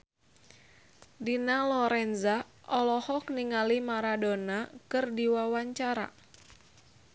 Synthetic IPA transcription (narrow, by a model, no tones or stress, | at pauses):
dinalɔɾɛnza | ʔɔlɔhɔkniŋalimaɾadonakɨrdiwawaɲt͡ʃaɾa̰